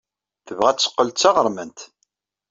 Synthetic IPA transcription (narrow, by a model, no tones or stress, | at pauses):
θəvʁæt͡sːə̥qːəlt̪t͡sɑʁəɾˤmənt̪